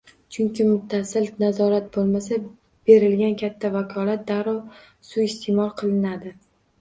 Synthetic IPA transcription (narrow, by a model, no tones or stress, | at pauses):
t͡ʃʰʊŋkʲɪmʊt̪ʰːasɪlnazɒɾat̪̚bolˠmasa | b̥e̞ɾɪlɡʲankʲʰat̪ʰːavakʰɒlat̪̚d̪aɾɒw | suɪst̪ʰemɒlˠqʰɨlˠɪnad̪ɪ